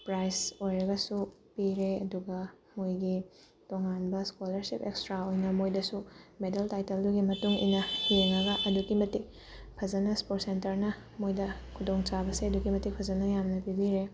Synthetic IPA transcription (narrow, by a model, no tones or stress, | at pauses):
pɾajsojɾɐɡɐsu | piɾeɐduɡɐ | mojɡi | toŋanbɐskolɐɾsipekstɾaojnɐmojdɐsumedeltajtelduɡimɐtuŋḭjnɐhieŋɐɡɐʔɐdukimɐti | pʰɐzɐnɐspot̚sentɐɾnɐ | mojdɐkʰudoŋt͡ʃabɐseɐdukimɐtik̚pʰɐzɐnɐjamnɐpibiɾe